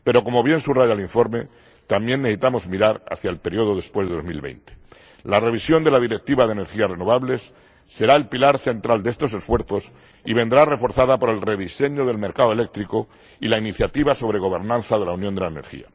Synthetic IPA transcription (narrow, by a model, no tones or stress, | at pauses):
pe̞ɾoko̞mo̞βje̞nsuraʝaliɱfo̞ɾme̞ | t̪amje̞nːeθit̪amo̞zmiɾaɾa̰θjaelpe̞ɾio̞ðo̞ðe̞spwezðe̞omḭlβḛjnt̪e̥ | lare̞β̞isjo̞nd̪e̞lað̞iɾek̚t̪iβaðene̞ɾxiare̞no̞βaβle̞sː | e̞ɾae̞lpilaɾθe̞nt̪ɾald̪e̞st̪o̞s̬e̞sfwe̞ɾθo̞s | iβe̞nd̪ɾare̞fo̞ɾθaðapo̞ɾe̞lre̞ðise̞ɲo̞ðe̞lme̞ɾkaðoe̞le̞k̚t̪ɾiko̞ | ilainiθjat̪iβaso̞βɾe̞ɣ̞o̞βe̞ɾnãnθaðe̞launjond̪elaene̞̰ɾxḭa̰